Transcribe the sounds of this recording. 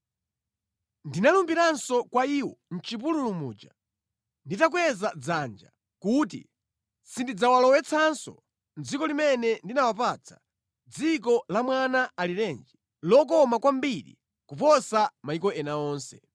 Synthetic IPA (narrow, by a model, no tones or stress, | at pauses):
ndinalumbiɾansɔkwaiwɔ̰n̩t͡ʃip̬ululumṵːd͡ʒa | nditak̬wɛzad͡zand͡ʒa̰ | kutḭ | sindid͡zawalɔwɛt͡sʰansɔ̰ | nd͡zikɔlimɛnɛndinawap̬at͡sʰḁ | d͡zik̬ɔlamwanaaliɾɛnd͡ʒi | lɔk̬ɔmakwambiɾḭ | kupɔsamaikɔɛnaɔːnsɛ